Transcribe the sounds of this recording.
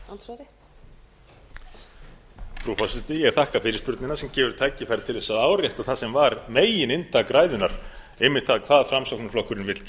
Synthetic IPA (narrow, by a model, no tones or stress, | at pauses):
ansvaɾɪ | fɾufɔsɪt̪ɪjɛɣ̥θahkafɪːɾɪspʏɾt̪nɪnasɛmcɛːvʏɾ̥t̪ʰaːjcɪθajɾt̪ʰɪlðɛsaðaːwrjɛjht̪aθasɛmvaɾmeːjɪnɪnt̪ʰakɾaːjðʏnaɾ̥ | ɪmːɪht̪θaðkʰv̥aːðfɾamsawknʏflɔhkʏɾɪnvɪt̪c